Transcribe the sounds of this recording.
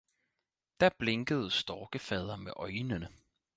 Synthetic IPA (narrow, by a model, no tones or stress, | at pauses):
d̥æb̥le̝ŋɡ̥əð̞̩ˠəsd̥ɒːɡ̥əfɛð̞ˠɐmeʔɒ̽ɪnənə